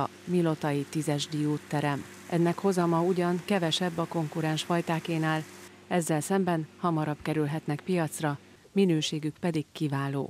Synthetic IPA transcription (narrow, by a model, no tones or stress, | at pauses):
milo̞t̪ɒjit̪izɛʒd̪ijoːt̪ːɛɾɛm | ʔɛnːɛkho̞zɒmɒuɟɒŋkɛvɛʃɛbːɒko̞ŋkuɾɛnʃfɒjt̪aːkeːnaːl | ɛzːɛlsɛmbɛnhɒmɒɾɒbkɛɾylɦɛt̪nɛkpijɒt̪srɒ | minøːʃeːɡykpɛd̪ikkːivaːlo̰ː